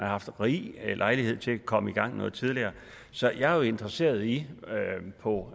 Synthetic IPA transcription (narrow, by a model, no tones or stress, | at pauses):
æhɑ̈fd̥ʁḭlʔɑ̈ɪlihe̝ð̰ˠt͡sʰe̝ækʰɒ̽məiɡ̥ɑ̈ŋ̰nɔ̽ːð̞̩ˠt͡sʰið̞ˠliɐː | sɒ̽jɑ̈æɐjo̝e̝nd̥ʁɐse̝̰ːɐð̞ˠi | pʰɒ̽